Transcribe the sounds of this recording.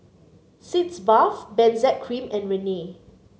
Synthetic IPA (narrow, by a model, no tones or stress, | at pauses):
sitsbafbɛ̃nzɛt̚kʰɹĩmɛ̃nɹɛne